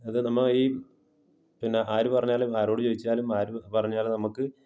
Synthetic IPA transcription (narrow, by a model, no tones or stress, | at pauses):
ɐðɨnɐmːɐiː | pinːe̞ʔaːɾupɐrɐɲːaːlumaːɾo̞ːɽɨt͡ɕoːðit͡ɕːaːlumaːɾupɐrɐɲːaːlnɐmukːɨ